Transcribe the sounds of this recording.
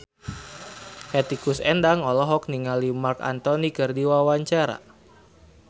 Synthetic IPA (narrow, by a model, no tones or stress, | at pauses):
hɛt̪ikusɛndaŋɔlɔɦɔk̚niŋalimarka̰nt̪ɔnikərdiwawaɲt͡ʃaɾa̰